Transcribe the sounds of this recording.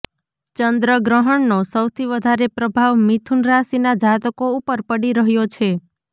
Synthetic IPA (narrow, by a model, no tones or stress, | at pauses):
t͡ʃənd̪ɾəɡɾəɦəɳnosəwt̪ʰiʋəd̪ʱaɾepɾəbʱaʋmit̪ʰunɾasinad͡ʒat̪əkoupəɾpəɽiɾəɦjot͡ʃʰe